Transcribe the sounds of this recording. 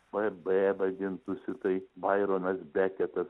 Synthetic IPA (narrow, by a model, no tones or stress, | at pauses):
bɐbɛɛbɐd̪ʲɪnt̪ʊsʲɪt̪ɐɪbɐɪɾonɐsbʲæːkʲɛt̪ɐs